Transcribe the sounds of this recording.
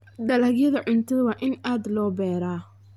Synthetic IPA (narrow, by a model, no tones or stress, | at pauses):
ɖɐlɐɡjɐðɐʕʊnt̪ʰɐðɐwɑːʔɪnaːd̪lɔːbɛːɾaː